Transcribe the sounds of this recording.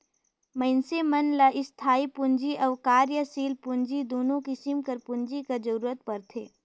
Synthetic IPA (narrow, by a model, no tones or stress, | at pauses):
məɪnsemɐnlaʔɪst̪ʰaːipʊnd͡ʒiʔɐːʋkaːɾjəsiːlpʊɲd͡ʒid̪oːnõkɪsɪmkɐɾpʊnd͡ʒikad͡ʒɐɾuːɾət̪̚pɐɾt̪ʰeː